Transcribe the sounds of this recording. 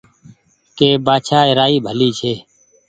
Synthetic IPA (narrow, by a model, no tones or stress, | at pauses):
keːbaːt͡ʃʰaːɪɾaːiːbʱəliːt͡ʃʰeː